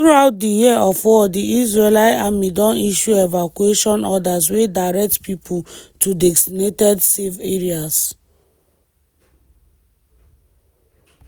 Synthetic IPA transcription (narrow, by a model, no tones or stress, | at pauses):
θɹuaʊt̚dijiəɔfɔdiisɹelaɪamidɔ̃niʃuevakueʃɔ̃nɔdas̬wedaɪɹɛk̚tpʰipʰutʰudɛkstinetɛdseveɹias